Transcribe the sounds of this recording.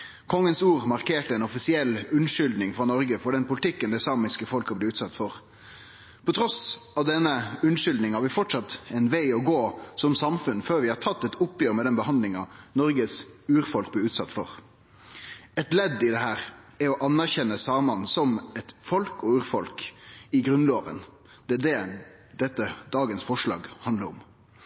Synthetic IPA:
kʰɔŋːənsuːɾmɑɾkʰeːʈəɛɪnɔfɪsɪɛlːʉnʂʏld̪nɪŋfɾɑnɔɾɡəfɔɖɛnpʊlɪt̪ʰɪkːənd̪ɛsɑːmɪskəfɔlkɑblɛʉːt̪sɑt̪ːfɔɾ | pʰɔt̪ʰɾɔsɑʋd̪ɛnːəʉnʂʏld̪nɪŋhɑɾʋɪfɔʈsɑt̪ɛɪnʋæɪɔɡoːsɔmsɑmfʉnføːɾʋɪhɑʈʰɑt̪ːɛt̪ʊpjøːɾmɛd̪ɛnbəhɑnd̪lɪŋɑnɔɾɡəsʉːɾfɔlk̚blɪʉːt̪sɑt̪ːfɔɾ | ɛt̪lɛd̪ːɪd̪ɛhæːɾ | ɛɾɔʔɑnːæʁçɛnːəsɑːmɑnsɔmɛt̪fɔlkɔʉːɾfɔlkɪɡɾʉnloːʋə̰n | d̪̥ɛd̪ɛ | d̪ɛt̪ːəd̪ɑːɡənsfɔʂlɑ̰ːɡhɑnd̪ləɾɔ̰m

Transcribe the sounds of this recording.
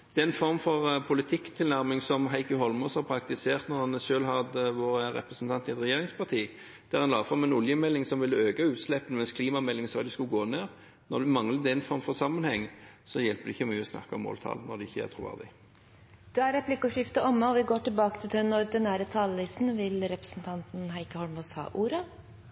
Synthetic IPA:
d̪̥ɛɛnfɔɾmfɔʁpʰʊlɪt̪ʰɪkt̪ʰɪlnæʁmɪŋsɔmɦæɪkəɦɔlmʊshɑɾpʰɾɑkt̪ɪseːʁt̪nɔɾhɑnʃøːlɦɑd̪əʋoːɾəɾɛ̰pɾəsn̩t̪ʰɑnt̪ɪɛt̪ɾɛjeːɾɪŋspʰɑʁt̪ʰiː | d̪̥ɛːʁhɑnlɑːfʁɑmɛnʊljəmɛlːɪŋsɔmʋɪlːəøːɡɑʉːt̪slɛpːənmɛnskʰliːmɑmɛlːɪŋsɑd̪ɪskʉɡoːneːɾ | nɔɾd̪ɛmɑŋləd̪ɛnfɔɾmfɔʁsɑmənhɛŋːsɔjɛlpəd̪ɪçːəmyːəɔsnɑ̰kːɑɔmːo̰ːlt̪ʰɑ̰ːln̩ːɔ̰ʁd̪ɛɪçːəæ̰t̪ʰʁʊʋæ̰ʁd̪ɪ̰ | d̪̥ɛæɾɛplɪkːʊʂɪft̪əʔɔmːəɔʋɪɡoːʈɪlbɑːkət̪ʰɪlt̪ʰœnːɔɾd̪ɛnæɾət̪ʰɑːləlɪsn̩ʋɪlɾɛpɾəsn̩t̪ʰɑnt̪nɦæɪkəhɔlmushɑ̰ːʔuːɾə

